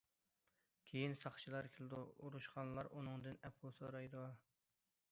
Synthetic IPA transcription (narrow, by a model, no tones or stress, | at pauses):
kʲʰejinsɑχt͡ʃʰilˠɑɾkʲʰɪlˠɨd̪uuɾuʃqɑnlˠɑɾʔunɨŋd̪ɨnɛpʰulˠsoɾɑjd̪u